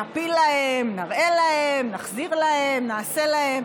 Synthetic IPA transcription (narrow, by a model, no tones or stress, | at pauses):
apilːahemnaʁʔe̞lahemnaχziʁlahemnaːse̞lahem